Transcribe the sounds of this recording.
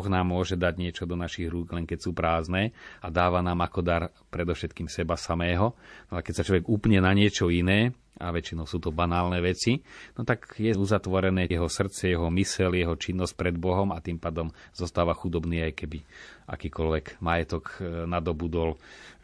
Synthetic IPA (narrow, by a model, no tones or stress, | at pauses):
ɔɣnaːmːʊɔʒɛd̪aɟɲɪɛt͡ʃɔd̪ɔnaʃiɣɾuːɡlɛŋkɛcsuːpɾaːznɛːad̪aːʋanaːmakɔd̪aɾ | pɾɛd̪ɔʊʃɛt̪kiːmsɛbasamɛːɦɔnakɛcsat͡ʃlɔʋɛɡupɲɛnaɲɪɛt͡ʃɔinɛː | a̰ʋɛt͡ʃinɔʊsuːt̪ɔbanaːlnɛːʋɛt͡sinɔt̪aɡjɛuzat̪ʋɔɾɛnɛːjɛɦɔsr̩t͡sɛjɛɦɔmisɛljɛɦɔt͡ʃinːɔsc̚pɾɛd̪bɔɦɔmat̪impaːd̪ɔmz̥ɔst̪aːʋaxud̪ɔbniːajkɛbiʔa̰kiːkɔlʋɛkmajɛt̪ɔknad̪ɔbud̪ɔl